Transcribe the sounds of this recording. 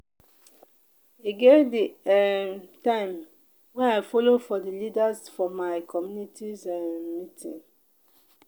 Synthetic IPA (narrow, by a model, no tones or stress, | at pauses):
iɡevdiɛtãɪ̃m | wɛ̃aɪfolofɔdilidazfɔmaɪkʰɔmjunitʰizɛmitʰḭ̃n